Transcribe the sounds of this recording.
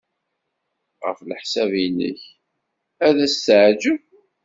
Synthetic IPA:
ʁə̰flħsævinə̰ç | æðæst̪ʕd͡ʒə

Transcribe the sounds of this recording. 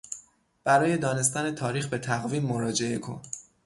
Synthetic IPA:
b̥æɾɒːjed̪ɒːne̞s̬t̪æne̞t̪ʰɒːɾiːxbe̞t̪ʰæɣviːmːoɾɒːd͡ʒe̞ʔe̞kʰo̞̰n

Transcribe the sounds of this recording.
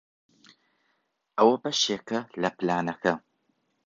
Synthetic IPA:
ɐwɐpɐʃeːkɐlɐplaːnɐxɐ

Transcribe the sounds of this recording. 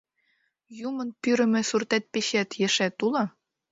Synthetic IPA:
jumɤ̆npyɾɘ̆mɘ̆surt̪æt̪̚peɕæt̪jĕʃæt̪ulɤ

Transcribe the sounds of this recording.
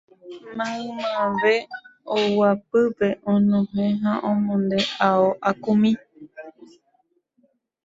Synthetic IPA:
mãɨ̃mãʋeowapɨpe̞ʔõnõɦẽɦãʔõmõnd̪eʔaoʔakũmĩ

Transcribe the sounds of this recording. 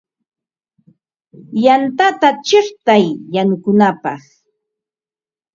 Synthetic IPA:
jant̪at̪at͡ʃɪχt̪ajːanʊkʊnapɑχ

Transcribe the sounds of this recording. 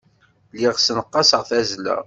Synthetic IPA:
liʁsnəqːɑsəʁθæzlæ̰

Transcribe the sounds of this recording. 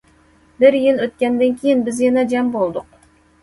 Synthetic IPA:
bɪɾjɪlˠɵt̪̚kʲænd̪ɪnkʲʰejɪnbɪzjɑnɑd͡ʒɑmbolˠd̪ʊq̚

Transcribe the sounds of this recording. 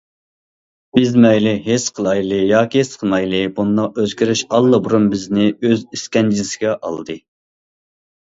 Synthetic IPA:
b̥ɪzmɛjlɪɦesqʰəlˠɑjlˠɨjɑːkʲiesqʰəlˠmɑjlˠɨbund̪ɑq̚øzɡʲiɾyʃɑlˠːɨbuɾunbɪznɪøziskʲɛnd͡ʒiɪsɪɡʲɛʔɑ̰lˠd̪ɨ

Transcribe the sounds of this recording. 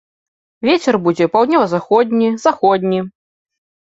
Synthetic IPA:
vʲet͡sʲɛrbud͡zʲɛpawd̪nʲɔvɐzaxɔd̪ʲnʲizaxɔd̪ʲnʲi

